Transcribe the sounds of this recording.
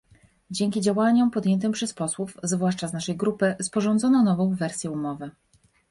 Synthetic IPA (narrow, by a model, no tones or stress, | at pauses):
d͡ʑɛŋkʲid͡ʑawaɲɔmpɔd̪jɛnt̪ɘmpʂɛspɔswufzvwaʂt͡ʂaznaʂɛjɡɾupɘspɔʐɔnd̪zɔnɔnɔvɔ̃w̃vɛɾsʲjɛumɔvɘ